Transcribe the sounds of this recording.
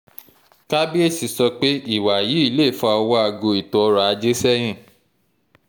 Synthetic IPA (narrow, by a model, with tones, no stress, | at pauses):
ka˦bi˦e˦˨si˨sɔ˧k͡pe˦i˦˨wa˨jiː˨˦i˦˧˦le˦˨fɔ˧ɔ˧wɔ˧˦a˧ɡo˧i˨tɔ˨ɔ˧ɾa˨a˧d͡ʒe˦sɛ˦j̃ĩ˦˨